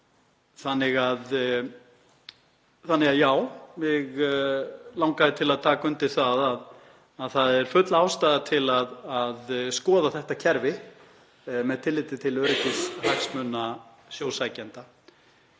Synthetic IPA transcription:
θanːɪɣað | θanːɪɣaðjaːwvɪɣ | lawŋkaðɪt̪ʰɪlaðt̪ʰaːkʏnt̪ɪ̥θaðaðː | ðθaðɛɾ̥fʏt̪laːwst̪aːðat̪ʰɪlaðaðskɔːðaθɛht̪acʰɛɾvɪ | mɛðt̪ʰɪlːɪːt̪ɪt̪ʰɪlœɾɪc̪ɪshaksmœnːa | sjoːwsaːjcɛnt̪a

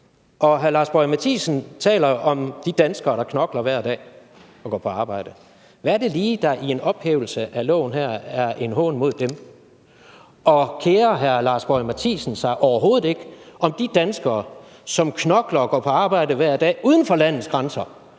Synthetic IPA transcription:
ʔɒ̽ɦæɐlɑ̈ːsb̥ɒɪmæt͡sʰḭːsn̩t͡sʰɛ̰ːlɐʔɒ̽md̥id̥ænsɡ̥ɐːɾ̥ɑ̈kʰnɒ̽ɡ̥lɐʋæɐ̰d̥ɛ̰ː | ɒ̽ɡ̥ɒ̰ːpʰɒ̽ɑ̈ːb̥ɑ̈ɪ̰d̥ə | ʋæɐɾe̝liːd̥ɑ̈ʔie̝nɒ̽b̥heːʊl̩səʔælɔ̰ːnɦæɐ̰æɐʔe̝nɦɔ̰ːnmo̝ð̞̰ˠd̥em | ʔɒ̽kʰeːɐɦæɐlɑ̈sb̥ɒɪmæt͡sʰḭːsən̩sɑ̈ɪʔɒʊɐɦo̝ːð̩ˠe̝ɡ̥əɒ̽md̥id̥ænsɡ̥ɐː | sɒ̽mkʰnɒ̽ɡ̥lɐɒɡ̥ɒ̰ːpʰɒ̽ɑ̈ːb̥ɑ̈ɪ̰d̥əʋæɐ̰d̥ɛ̰ːʔuːð̞ˠn̩fɒ̽læn̰ð̩ˠsɡ̥ʁɑnsɐ

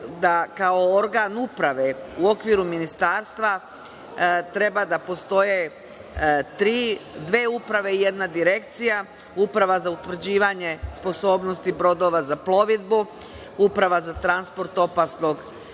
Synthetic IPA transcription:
d̪akao̞oɾɡanupɾaʋe̞uo̞kʋiːɾuminist̪aːɾst̪ʋa | t̪ɾe̞bad̪apo̞st̪o̞je | t̪ɾiːd̪ʋe̞ːupɾaʋe̞ije̞d̪nad̪iɾe̞kt̪sija | upɾaʋazaut̪ʋr̩d͡ʑiːʋaɲe̞spo̞so̞ːbno̞st̪ibɾo̞d̪o̞ʋazaplˠo̞ʋid̪bu | upɾaʋazat̪ɾanspo̞ɾt̪o̞pasno̞ɡ

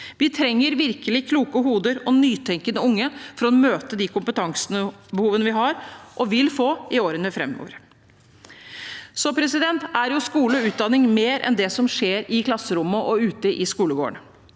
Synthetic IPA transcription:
ʋɪt̪ʰɾɛŋːəɾʋɪɾkəlɪkʰluːkəɦuːd̪əɾɔnyːt̪ʰɛŋkənəʊŋːəfɔɾɔmøːt̪əd̪ikʰʊmpət̪ʰɑŋsənəbəhuːʋənəʋɪɦɑɾʔɔʋɪlfoːɪoːɾənəfɾɛ̰mo̰ːʋəɾ | sɔpʰɾɛsɪd̪ɛnt̪æɾjʊskuːləɔʉːt̪̚d̪ɑnːɪŋmeːɾʔɛ̰nd̪ɛsɔmʂeːɾɪkʰlɑsːəɾʊmːəʔɔʉːt̪əʔɪskuːləɡo̰ːə̰ɳə

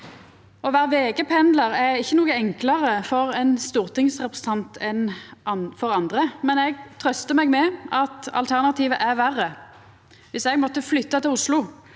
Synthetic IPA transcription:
ʔɔʋæːʁʋeːɡəpʰɛnd̪ləʁæɾɪçːənuːɡəɛŋklɑʁəfɔɾɛnst̪uːʁt̪ɪŋsʁɛpʁəsən̩t̪ʰɑnt̪ʰɛn | fɔʁɑnd̪ʁəmɛnɛɡt̪ʰʁœst̪əmɛɡmɛʔɑt̪ɑ̰lt̪ʰæʁnɑt̪ʰiːʋəʔæʁʋæʁːə | ʋɪsɛɡmɔt̪ːəflʏt̪ːɑt̪ɪlʊslʊ

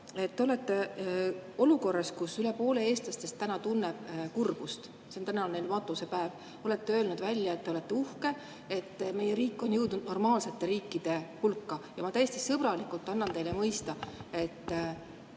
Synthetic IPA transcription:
e̞t̪ːeo̞le̞t̪ːe̞ | o̞luko̞rːɑskusylepo̞ːle̞e̞ːst̪lɑst̪e̞st̪ːænɑt̪unːeb̥kurb̥ust̪ | sent̪ænɑonnejlmɑt̪ːˑuse̞pæev | o̞le̞t̪ːeø̞ːlnud̪vælʲjɑe̞t̪ːeolet̪ːeuhke̞ | e̞t̪ːme̞jeɾiːkːˑo̞njɤwd̪nud̪no̞rmɑːlse̞t̪ːe̞ɾiːkːˑid̪̥e̞hulkːɑjɑmɑt̪æjest̪isɤb̥ɾɑlikːˑult̪ˑːɑnːɑnt̪e̞jlemɤjst̪ɑe̞t̪ː

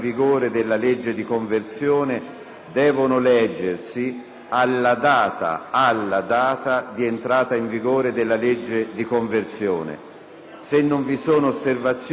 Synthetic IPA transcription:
viɡoːɾed̪elːaled͡ʒːed̪ikoɱvert̪sjɔːne | d̪ɛːvonʊlɛd͡ʒːersi | alːad̪aːt̪a̰alːad̪aːt̪ad̪ient̪ɾaːt̪aiɱviɡoːɾed̪elːaled͡ʒːed̪ikoɱvert̪sjɔ̰ːnḛ | senːʊɱvisoːnoːsːervat̪sː

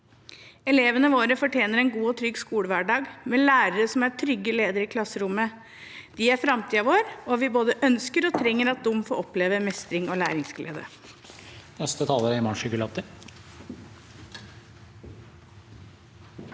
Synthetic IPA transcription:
ɛleːʋənəʋoːɾəfɔʈʰjeːnəɾɛnɡuːɔt̪ʰɾʏɡskuːɽəʋæɖɑːɡmɛlæːɾəɾəsɔmæʈʰɾʏɡːəleːd̪əɾɪkʰlɑsːəɾʊmə | d̪̥ɪæɾfɾɑmt̪ʰiːɑʋoːɾɔʋɪboːd̪əʔœnskəɾɔt̪ʰɾɛŋːəɾɑt̪̚d̪ʊmːfoːʔɔpleːʋəmɛst̪ɾɪŋɔlæ̰ːɾɪŋsɡlḛːd̪ə̰ | nɛst̪ət̪ʰɑːləɾɪmɑnʂʏkəlɑt̪ə

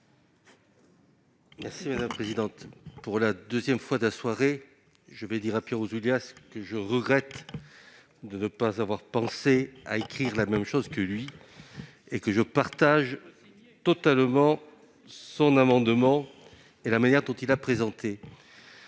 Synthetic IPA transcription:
mɛʁsimad̪aməpχezid̪ɑ̃t̪puʁlad̪øzjɛmfwad̪əlaswaʁe | ʒəvɛd̪iʁapjɛʁoʒuljaskəʒəʁəɡʁɛt̪ | d̪ənəpazavwaʁpɑ̃sea̰ekχiʁlamɛmʃozkəlɥi | ekəʒəpaʁt̪aʒ | t̪ɔt̪almɑ̃ | sɔ̃namɑ̃d̪mɑ̃ | elamanjɛʁd̪ɔ̃t̪ilapχezɑ̃t̪e

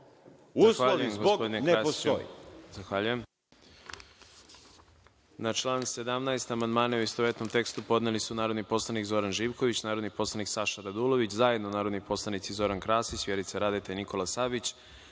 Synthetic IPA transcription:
uaxaʎemɡospo̞d̪inekneɾassojḭzaxʋaʎujem | nat͡ʃlˠaːnse̞d̪amnaest̪amand̪maːnauist̪oʋet̪nomt̪e̞kst̪upo̞d̪nelisunaːɾo̞d̪nipo̞slˠanikzo̞ɾanʒiːʋko̞ʋit͡ɕnaːɾod̪nipo̞slˠaniksaʃaɾad̪ulˠo̞ʋit͡ɕzaje̞d̪nonaːɾod̪nipo̞slˠanit̪sizo̞ɾankɾaːsisʋjeɾit̪saɾad̪et̪eniko̞lasabit͡ɕ

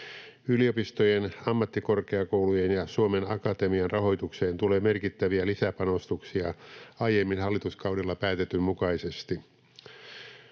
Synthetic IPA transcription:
yliopist̪ojenɑmːɑt̪ːikorkeɑkowlujenjɑsuomenɑkɑt̪emiɑnrʔɑho̞jt̪ukseːnt̪ule̞ːmerkit̪ːæʋiælisæpɑnost̪uksiɑɑjemːinhɑlːit̪uskɑuwdilːɑpæːt̪et̪ːymmukɑisest̪i

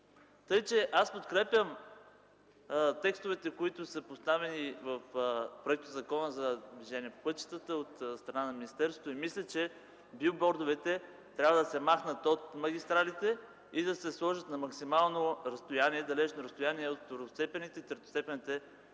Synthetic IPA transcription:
t̪ɤjt͡ʃɛʔaspot̪kɾɛpʲjəm | t̪ɛkst̪ovɛt̪ɛkoit̪ʊsəpost̪avɛnivəfpɾoɛk̚t̪ʊzɐkɔnəzɐd̪viʒɛniɛpopɤt̪t͡ʃi̥t̪ət̪əot̪st̪ɾɐnanɐminist̪ɛɾso̥t̪oimislʲət͡ʃɛ | biobɔɾd̪ovɛt̪ɛ | t̪ɾʲabvəd̪ɐsɛmaxnət̪ot̪mɐɡʲist̪ɾalit̪ɛ | id̪ɐsɛslˠɔʒət̪nɐmɐksimalˠnoɾɐst̪ojaniɛd̪ɐlɛt͡ʃnoɾəst̪ʊjaniɛot̪foɾst̪ɛpɛnit̪ɛit̪ɾt̪o̥st̪ɛpɛnit̪ɛ

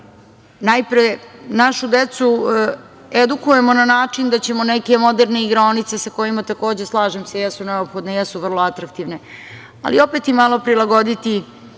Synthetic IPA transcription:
najpɾenaʃud̪et̪su | ed̪ukuje̞mo̞nanaːt͡ʂind̪at͡ɕe̞moneke̞mo̞d̪eɾneiɡɾaonit̪se̞sako̞jimat̪ako̞ːd͡ʑe̞slˠaːʒemsejɛsuneopxo̞d̪nejɛsuʋr̩lˠoat̪ɾak̚t̪iʋne̞ | a̰lio̞peːt̪imalˠo̞pɾilˠaɡo̞d̪it̪i

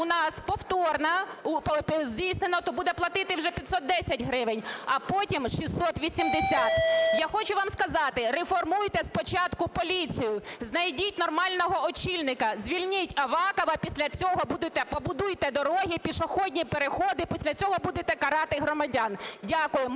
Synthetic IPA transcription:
ʊnɑspɔwt̪ɔrnɐppzʲdʲijsnenɔt̪ɔbud̪ɛplˠɐt̪ɪt̪ɪwʒɛpʲɐt̪ʲsɔt̪̚d̪ɛsʲɐtʲɦɾɪʋɪnʲɐpɔtʲimʃʲisɔt̪ʋʲisʲimd̪esʲat̪jaxɔt͡ʃʊʋɑmskɐzɑt̪ɪɾefɔrmujt̪ɛspɔt͡ʃɑt̪kʊpɔlʲit͡sʲijʊznɐjdʲitʲnɔrmɑlʲnɔɦɔɔt͡ʃilʲnɪkɐzʲʋʲilʲnʲɪtʲɐʋɑkɔʋɐpʲisʲlʲɐt͡sʲɔɦɔbud̪ɪt̪ɛpɔbʊd̪ujt̪ɛd̪ɔɾɔɦʲipʲiʃɔxɔdʲnʲipeɾexɔd̪ɪpʲisʲlʲɐt͡sʲɔɦɔbud̪ɪt̪ɛkɐɾɑt̪ɪɦɾɔmɐdʲandʲakʊjʊm

